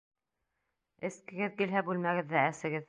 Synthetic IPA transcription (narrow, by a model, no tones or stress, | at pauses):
ɘ̆skɘ̆ɡɘðkilɦæbʉlmæɡɘ̆ðːææsɘ̆ɡɘð